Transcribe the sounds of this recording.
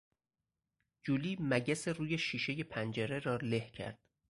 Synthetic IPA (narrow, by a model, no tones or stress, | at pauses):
d͡ʒuːliːmæɟæseruːjeʃiːʃeje̞pʰænd͡ʒeɾeɾɒːlehcʰæ̰ɾd̪̥